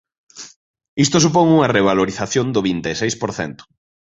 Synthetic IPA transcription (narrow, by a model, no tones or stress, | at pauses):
ist̪osupoŋuŋɐreβ̞aloɾiθaθjond̪ʊβint̪esejspoɾθɛ̰nt̪ʊ̥